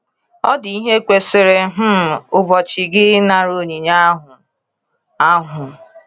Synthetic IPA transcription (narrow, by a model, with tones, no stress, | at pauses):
ɔ̰˦dɪ˨i˦ɦe˦kʷe˨sɪ˨ɾe˦ɦ̩˦˨ʊ˨bɔ˨t͡ʃɪ˨ɡɪ˦na˨ɾo˦˨ɲi˨ɲa˦ɦʊ˨ | a˦ɦʊ˨